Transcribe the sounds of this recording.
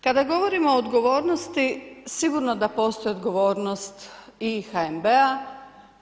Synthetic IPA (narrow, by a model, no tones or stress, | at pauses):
kad̪aɡo̞ʋo̞ɾimoːd̪ɡo̞ʋo̞ːɾnost̪isiɡuɾno̞d̪apo̞st̪o̞jod̪ɡo̞ʋo̞ːɾnost̪ixaembea